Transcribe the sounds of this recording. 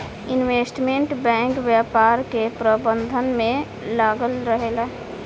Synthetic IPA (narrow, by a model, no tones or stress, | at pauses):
ɪnweːsʈmẽɳʈbɛ̃ːŋkʋjəːpaːɾkepɾəbə̃nd̪ʱənmẽ | laːɡəlɾəɦeːla